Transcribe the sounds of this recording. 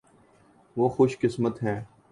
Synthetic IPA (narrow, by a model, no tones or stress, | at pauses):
ʋoːxʊʃkɪsmət̪ɦɛ̃ː